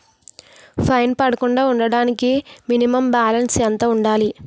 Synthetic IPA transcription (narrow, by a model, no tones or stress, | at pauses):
pʰɐjnpɐɽɐkuɳɖaːuɳɖɐɽaːnikiminimɐmbaːlɐnsɛnt̪ɐuɳɖaːli